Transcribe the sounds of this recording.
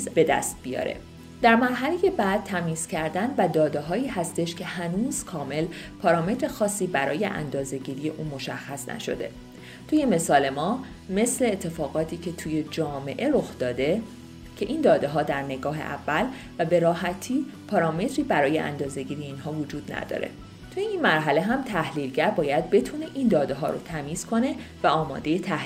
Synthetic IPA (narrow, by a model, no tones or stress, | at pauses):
zb̥e̞d̪æ̰st̪̚bijɒ̰ːɾe̞̰ | d̪̥æɾmæɾɦæleje̞bæd̪̥̚t̪ʰæmiːz̥cʰæɾd̪ænvæd̪ɒːd̪eɦɒːiːhæst̪e̞ʃcʰe̞hænuːz̥kʰɒːme̞lpʰɒːɾɒːme̞t̪ʰɾe̞xɒːsːiːbæɾɒ̰ːje̞̰ʔæ̰nd̪ɒːze̞ɟiːɾije̞ʔuːmo̞ʃæxːæsnæ̰ʃo̞̰d̪e̞̰ | t̪ʰuːje̞me̞sɒːle̞mɒː | me̞sleːt̪ʰːe̞fɒːɣɒːt̪ʰiːcʰe̞t̪ʰuːje̞d͡ʒɒːme̞ʔe̞ɾo̞xd̪ɒːd̪e̞ | cʰe̞ʔind̪ɒːd̪e̞ɦɒːd̪æɾne̞ɡɒːɦe̞̰ʔæ̰vːæl | væbe̞ɾɒːɦæt̪ʰiːpʰɒɾɒːme̞t̪ʰɾiːbæɾɒːjeʔæ̰nd̪ɒːze̞ɟiːɾijeiːnɦɒːvod͡ʒuːd̪næ̰d̪ɒ̰ːɾe̞̰ | t̪ʰujeinmæɾɦæle̞ɦæmt̪ʰæhliːlɟæɾbɒːjæd̪̚be̞t̪ʰune̞ʔind̪ɒːd̪e̞ɦɒ̰ːɾo̰t̪ʰæmiːz̥kʰo̞ne̞væɒːmɒ̰ːd̪e̞jet̪ʰæhi